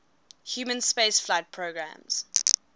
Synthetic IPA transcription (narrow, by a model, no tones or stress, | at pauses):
hjuːmə̃nspeɪsflaɪt̚pʰɹoɡɹã̰mz̥